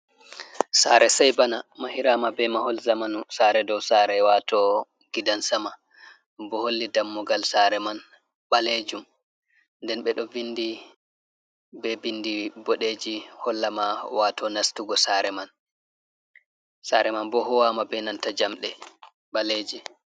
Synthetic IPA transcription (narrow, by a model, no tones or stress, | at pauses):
saɾɛsajbanamahiɾamabɛmahɔlzamanusaːɾɛdɔwsaɾɛwatʰɔ | ɡ̥idansama | bɔholːidamːɔɡalsaɾɛman | ɓaled͡ʒum | ndɛnɓɛɗɔvindi | bɛvindibɔɗed͡ʒihɔlːamawaːtʰɔnastuɡɔsaɾɛman | saːɾɛmanbɔɦɔwamabɛnantad͡ʒamɗɛ | ɓaleːd͡ʒɛ